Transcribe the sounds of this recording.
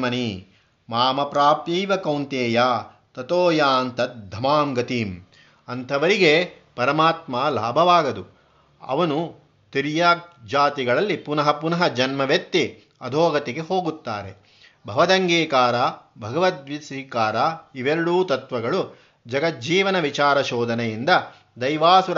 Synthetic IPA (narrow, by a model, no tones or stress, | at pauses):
mɐni | maːmɐpɾaːpjɐjʋɐkɐwnt̪eːjaː | t̪ɐt̪oːjaːnt̪ɐt̪̚d̪ʱːɐmaːmɡɐt̪iːm | ɐnt̪ʰɐʋɐɾiɡe | pɐɾɐmaːt̪maːla̰ːbʱɐʋaːɡɐd̪u | ɐ̰ʋɐnu | t̪iɾjaːk̚d͡ʒaːt̪iɡɐɭɐlːipunɐɦɐpunɐɦɐd͡ʒɐnmɐʋjɐk̚t̪ːi | ɐd̪ʱoːɡɐt̪ɛɡeɦoːɡut̪ːa̰ːɾe | bʱɐʋɐd̪ɐŋɡeːkaːɾaːbʱɐɡɐʋɐt̪ʋisikaːɾaːiʋeɾɐɽuːt̪ɐt̪ʋɐɡɐɭu | d͡ʒɐɡɐt̪̚d͡ʒiːʋɐnɐʋit͡ʃaːɾɐʃoːd̪ʱɐnɐjind̪ɐ | d̪ɐjʋaːsuɾ